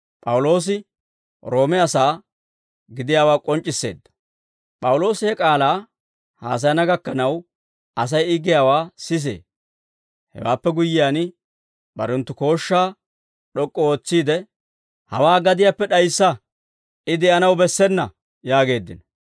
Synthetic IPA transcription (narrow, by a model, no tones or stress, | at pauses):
pʼɐwʊlo̞ːs̬ɪ | ɾo̞ːmɛɐsaː | ɡɪd̪ɪjaːwaːkʼɔnt͡ʃʼːɪsːe̞̰ːd̪ːɐ̥ | pʼɐwʊlo̞ːsɪhɛkʼaːlaː | ha̰ːs̬ɐjnɐɡɐkːɐnɐw | ɐs̬ɐjɪɡɪjaːwaːsɪs̬ḛː | hɛ̰wa̰ːpːɛɡʊjːɪjaːn | bɐ̰ɾɛnt̪ːʊko̞ːʃːaː | ɗɔkʼːɔoːt͡sːiːd̪ɛ | hɐwaːɡɐd̪ɪjaːpːɛɗɐjsːɐ | ɪd̪ɛʔɐnɐwbɛsːɛnːɐ | jaːɡe̞ːd̪ːɪ̰nɔ